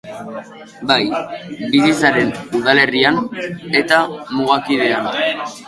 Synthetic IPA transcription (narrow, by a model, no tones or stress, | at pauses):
bajbis̬it͡saɾe̞nuðale̞riane̞t̪amuɣakiðe̞ana